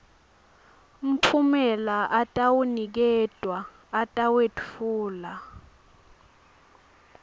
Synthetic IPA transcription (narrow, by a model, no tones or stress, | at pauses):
m̩pʰumɛlaʔatʼawunik̬ɛdʱʼwaː | tʼawetʼfuːla